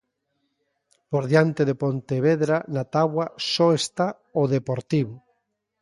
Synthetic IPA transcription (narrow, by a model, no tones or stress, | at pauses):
poɾðjant̪eðepont̪eβeðɾanat̪aβwasɔest̪a | oðepoɾt̪iβʊ